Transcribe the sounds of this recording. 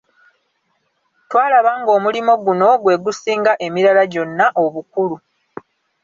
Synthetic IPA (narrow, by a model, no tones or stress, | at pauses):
twaːlaβaŋɡo̞ːmulimo̞ɡuno̞ɡwe̞ːɡusiːŋɡaʔe̞miɾalaɟo̞nːaʔo̞βukulu